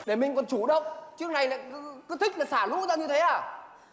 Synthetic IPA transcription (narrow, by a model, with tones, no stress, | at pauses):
ɗe˧˩mï˨˩ŋ̟kɔ˨˩nt͡ɕu˧˩ɗə˧˨wŋ͡mt͡ɕɨ˦˥ək̚na˨˩jla̰ː˨˦kɨ˨˦t̪ʰï˦˥k̚laː˨˩saː˧˩lṵ˧˥zaː˧ɲɨ˧t̪ʰe˨˦ʔaː˨˩